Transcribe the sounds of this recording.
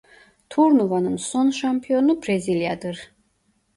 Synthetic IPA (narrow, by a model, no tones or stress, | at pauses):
t̪ʰuɾnuvanɨnsɔnʃampʰiɔnubɾɛziljad̪ɨɾ